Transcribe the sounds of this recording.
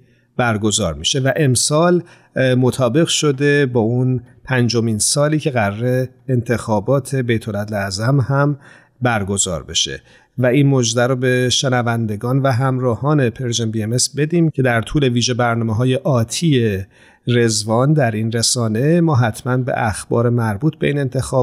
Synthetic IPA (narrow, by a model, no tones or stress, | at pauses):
b̥æɾɡo̞zɒːɾmḭːʃe̞væʔe̞msɒːl | mot̪ʰɒːbe̞ɣʃo̞d̪e̞bɒːunpʰænd͡ʒo̞miːnsɒːliːcʰe̞ɣæɾɾe̞ː | nt̪ʰe̞xɒːbɒːt̪ʰe̞be̞jt̪ʰo̞læd̪læzæmhæm | bæɾɡo̞zɒ̰ːɾbe̞̰ʃe̞̰ | væinmod͡ʒd̪æɾobe̞ʃe̞nævænd̪e̞ɡɒːnvæɦæmɾɒːhɒːne̞pʰeɾʒembiemesbe̞d̪iːmcʰe̞d̪æɾt̪ʰuːle̞viːʒe̞bæɾnɒːmeɦɒːje̞ʔɒːt̪ʰiːe | re̞zvɒːnd̪æɾinre̞sɒːne̞mɒːɦæt̪ʰmænbḛʔæxb̥ɒ̰ːɾe̞mæɾbuːt̪ʰbe̞̰iːne̞nt̪ʰe̞xɒː